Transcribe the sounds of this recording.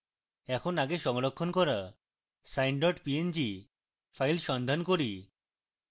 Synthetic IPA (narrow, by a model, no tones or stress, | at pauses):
ɛkʰonaɡeʃɔŋɾokʰːonkɔɾa | sajɳɖɔʈpiend͡ʑi | fʰajlʃɔnd̪ʱankoɾi